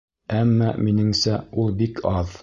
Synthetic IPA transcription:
æmːɑminɘ̆ŋsæulˠbikʰɑð

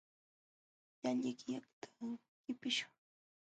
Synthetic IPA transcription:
jaʎʎɪkɪjakt̪ʰḁ | kɪpɪʃʊ̥ŋ

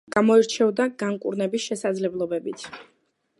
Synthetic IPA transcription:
ɡamɔiɾt͡ʃʰɛvd̪aɡaŋkʼṵɾnɛbisʃɛsad̪zlɛblˠɔbɛbit̪ʰ

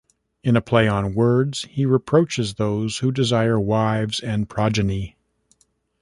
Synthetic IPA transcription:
ɨ̃nəpʰl̥eɪə̃nwɜ˞dz̥hiɹɨpʰɹ̥oʊt͡ʃɨzðoʊz̥hudɨzaɪə˞waɪvzɨ̃npʰɹ̥ɑd͡ʒɨni

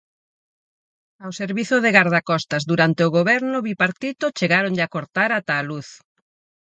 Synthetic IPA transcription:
awseɾβiθʊðeɣaɾðakɔst̪ɐzd̪uɾant̪eʊɣoβɛɾnʊβipaɾt̪it̪ʊt͡ʃeɣaɾoŋʎakoɾt̪aɾat̪aːluθ

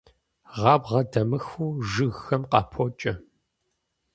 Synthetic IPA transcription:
ʁɑːbʁɐdɐmɨxuːʒɨɣːɐmqɑ̰pʰot͡ʃʼɐ

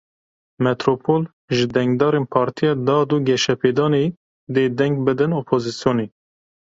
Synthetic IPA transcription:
mɛt̪ɾopʰol | ʒɨd̪ɛŋɡd̪ɑːɾeːnpʰɑːɾt̪ʰijɑːd̪ɑːd̪uɡɛʃɛpʰeːd̪ɑːneː | d̪eːd̪ɛŋɡ̚bɨd̪ɨnopʰoːzisjoːneː

